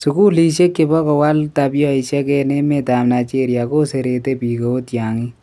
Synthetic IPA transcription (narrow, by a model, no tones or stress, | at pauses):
sukuːliːʃekːebɐkɔwalt̪abijoiʃakeːnemed̪aːmnat͡ʃeːɾijakoseɾeːt̪epiɡɐot̪jaːŋi